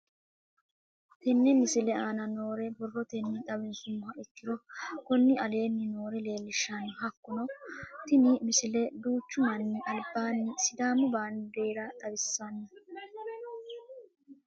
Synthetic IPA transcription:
t̪ɛnːɛmɪsɪlɛaːnɐno̞ːɾɛbɔrːɔt̪ɛnːɪt̪ʼɐbɪnsʊmʊhɐʔɪkːɪɾɔkɔnːɪɐle̞ːnːɪno̞ːɾɛle̞ːlːɪʃːanʊɦɐkːʊnɔt̪ɪmimɪsɪlɛd̪uːt͡ʃːʊmɐnːɪʔɐlbaːnːɪsɪd̪aːmːʊbaːnd̪eːɾɐt̪ʼɐbɪsːɐnːɐ

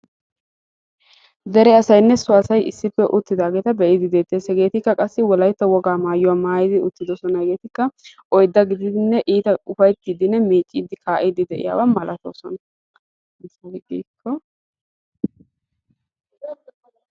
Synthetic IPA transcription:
d̪ɛɾɛɐsɐjnːɛsʊɐsɐjɪ̰sːɪpːɛʔʊt̪ːɪd̪aːɡeːt̪ɐbɛʔɪd̪ɪd̪e̞ːt̪ːeːsɛɡe̞ːt̪ɪkːɐkʼɐsːɪwɔlɐjt̪ːɐwɔɡaːmaːjʊwaːmaːjɪd̪ɪʊt̪ːɪd̪ɔsɔnɐhɛɡe̞ːt̪ɪkːɐʔɔjd̪ːɐɡɪd̪ɪd̪ɪnːɛʔiːt̪ɐʊfɐjt̪ːiːd̪ɪnːɛmeːt͡ʃʼːiːd̪ɪkaːʔɪd̪ɪd̪ɛʔɪ̰ja̰ːwɐmɐlʔɐt̪o̰ːsɔnɐ | ɡiːkːɔ

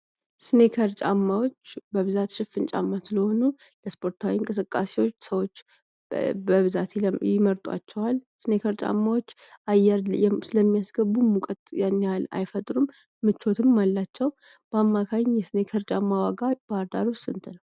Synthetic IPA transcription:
sɨne̞kʰəɾt͡ʃʼamːawo̞t͡ʃːbəβɨzat̪ʃɪfɨnt͡ʃʼa̰mːasɨləho̞nu | ləspʰo̞ɾt̪ʰawiŋkʼɨsɨkʼːase̞wo̞t͡ʃːsəwo̞t͡ʃː | bəβɨzat̪jɪməɾt̪ʼwa̰t͡ʃːɛwalsɨne̞kʰəɾt͡ʃʼa̰mːawo̞t͡ʃː | ʔajɛɾjɛsɨləmːijasɡəbumːukʼət̪ʼjanːala̰jfət̪ʼɾumː | ɨt͡ʃʰːo̞t̪ʰɨmːalːat͡ʃːɛw | b̥amːakʰajɲjɛsɨne̞kʰəɾt͡ʃʼamːawaɡab̥əaɾd̪aɾusɨnt̪ʰɨnəw

